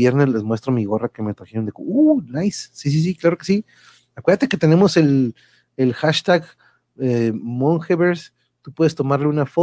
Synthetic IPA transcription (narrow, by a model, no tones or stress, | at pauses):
je̞ɾnezle̞zmwest̪ɾo̞miɣo̞rake̞me̞t̪ɾaxeɾo̞nd̪eko̰unajsːis̬is̬iklaɾo̞ke̞si | akweðat̪eket̪e̞ne̞mo̞se̞l | elxaʃt̪aɣ | emoŋxeβeɾs | t̪upwe̞ðest̪o̞maɾle̞unafo